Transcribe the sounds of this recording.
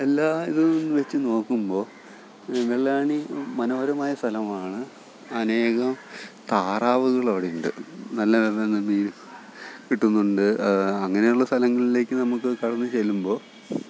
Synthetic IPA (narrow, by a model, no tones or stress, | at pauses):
elːaːiðɨnːʋet͡ɕːɨno̞ːkːumbo̞ː | enːɐɭːaːɳimɐnoːɐɾɐmaːjɐst̪ʰɐlɐmaːɳɨ | ɐne̞ːɣɐmt̪aːraːʋuɣɐɭɐːɽejuɳɖɨ̰nɐlːɐʋeðɐnːɐmiːnu | kiʈːunːuɳɖɨɐɐŋːɐne̞juɭːɐst̪ʰɐlɐŋːɐɭile̞ːkʲːɨnɐmukːɨkɐɽɐnːɨt͡ɕe̞lːumbo̞ː